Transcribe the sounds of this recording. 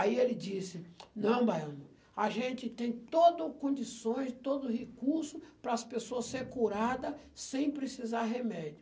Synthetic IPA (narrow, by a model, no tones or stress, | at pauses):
aielɪd͡ʒisɪnɐ̃w̃bajɐ̃nʊ | aʒẽnt͡ʃɪt̪ẽj̃t̪od̪ʊkõd͡ʒisõj̃st̪od̪ʊhekuɾsʊpɾɐːspesoɐsseɾkuɾad̪ɐ | sẽj̃pɾesizaɾɦemɛd͡ʒʊ